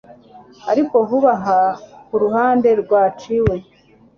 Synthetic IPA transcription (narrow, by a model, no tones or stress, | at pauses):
a̰ɾiko̞ɦuβaɦakuɾuɦaːnde̞ɾɡwaːt͡ʃiwe̞